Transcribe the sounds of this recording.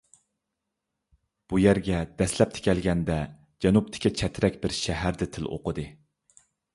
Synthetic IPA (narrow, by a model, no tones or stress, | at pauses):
b̥ujæɾɡʲɛd̪ɛslɛp̚t̪ʰɪ̥kʲɛlɡʲɛnd̪ɛ | d͡ʒɛnup̚t̪ʰɪ̥kʲʰit͡ʃʰɛt̪ʰɾɛkʲbɪɾʃɛɦæɾd̪ɪt̪ʰɪlˠo̰qʰəd̪ɨ